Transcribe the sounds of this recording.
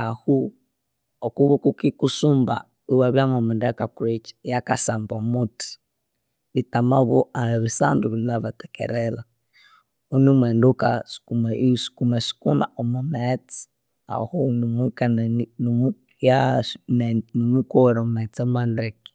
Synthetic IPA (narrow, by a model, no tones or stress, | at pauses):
ahu | ɔkuβukukikusumba̰ | iwaβjamɔmindɛakakuɾet͡ʃi̥jakasambɔmuti̥ | βitamaβɔaβisanduβinaβatɛ̥kɛ̰ɾɛla | unimwɛndukaskumsi̥kumɛsi̥kuna̰ɔmɔmɛt͡si̥ | a̰hɔnmukannm | jannumukɔwɛɾɔmmɛt͡sɔmandɛki̥